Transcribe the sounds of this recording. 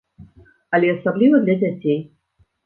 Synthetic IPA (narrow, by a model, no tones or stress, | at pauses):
alʲiɐsablʲivəd̪lʲadʲatʲej